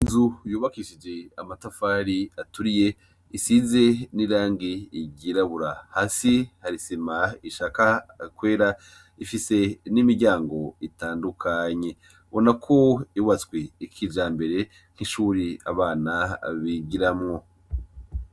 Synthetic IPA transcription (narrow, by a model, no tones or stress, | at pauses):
inzujuːβakiʃid͡ʒe̞amatafaːɾiatuɾije̞ | isize̞niɾaːŋɡiːɟiɾaβuɾahasihaɾisimaiʃakakwe̞ːɾa | ifise̞nimiɾɟaːŋɡo̞itaːndukʰaɲe̞ | βo̞nakʰo̞iβat͡skweikʰid͡ʒaːmbe̞ɾe̞ | n̥hiʃuːɾia̰βaːnaβiɡiɾamŋo̞